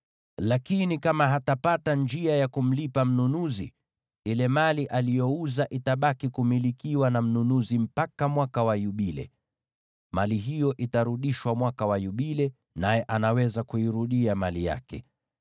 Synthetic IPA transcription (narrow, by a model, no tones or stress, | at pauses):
lakinikamaɦatapatand͡ʒiajakum̩lipam̩nunuzḭ | ilɛmaliʔalijɔuzaʔitaɓakikumilikiwanam̩nunuzim̩pakamwakawajuɓilɛ̰ | maliɦijɔʔitaɾuɗiʃwamwakawajuɓilɛ | najɛʔanawɛzakuiɾuɗiamalija̰kɛ̰